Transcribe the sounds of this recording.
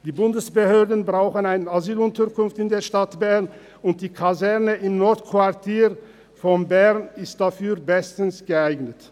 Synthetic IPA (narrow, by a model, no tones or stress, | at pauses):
d̥iːbʊndəsb̥əhøːɐdn̩bʁaʊxənaɪnənazyːlʊntɐkʊnftɪndeːɐʃtatb̥ɛɐn | ʊnt̚d̥iːkʰazɛʁnəʔɪmnɔɐtkʰv̥aʁtʰiːʁ | fɔnbɛʁnɪst̚d̥afyːɐbɛstn̩sɡ̥əaɪɡnət